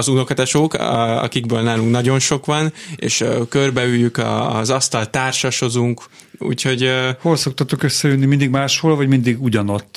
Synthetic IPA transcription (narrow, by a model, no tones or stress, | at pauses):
ɒzuno̞kɒt̪aʃoːkɒ̰kiɡbøːlnaːluŋknɒɟo̞nʃo̞kʋɒnḛːʃkørbɛyjːykɒ̰zɒst̪ɒlt̪aːrʃɒʃo̞zuŋk | ṵːcho̞ɟho̞lso̞k̚t̪ɒt̪okøsːɛjønːimind̪iɡmaːʃholvɒɟmind̪iɡuɟɒno̞t̪ː